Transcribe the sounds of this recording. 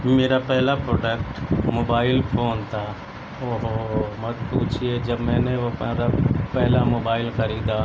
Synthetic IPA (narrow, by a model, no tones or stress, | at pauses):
meːɾapɛɦlapɾoːɖəkʈmoːbaːɪlpʰoːnt̪ʰaː | oɦomɐt̪̚puːt͡ʃʰied͡ʒɐbmɛ̃ːneʋoɾapɛɦlamoːbaːɪlxɐɾiːd̪a